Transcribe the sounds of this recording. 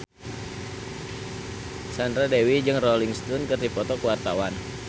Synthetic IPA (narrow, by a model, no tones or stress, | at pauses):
sandɾadewid͡ʒɨŋrɔliŋst̪unkɨrdipɔt̪ɔkəwart̪awan